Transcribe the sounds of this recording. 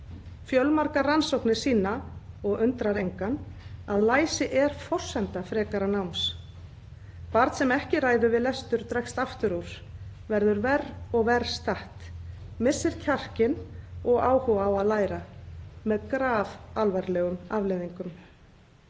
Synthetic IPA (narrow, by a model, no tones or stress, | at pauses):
fjœlmaɾkaransowhknɪ̥siːnaɔɣʏnt̪ɾaɾejŋkanaðlaːjsɪʔɛɾ̥fɔr̥sɛnt̪afɾɛːkaɾanawms | paɾt̪sɛmɛhcɪraːjðʏvɪðlɛst̪ʏɾ̥t̪ɾɛkst̪aft̪ʏɾuwɾ̥ | vɛɾðʏɾvɛrɔɣvɛɾ̥st̪aht̪ | mɪsːɪɾ̥cʰar̥cɪnɔɣaːwhɔawaðlaːjɾamɛðkɾaːvalvaɾlɛɣʏmavlɛðiŋkʏm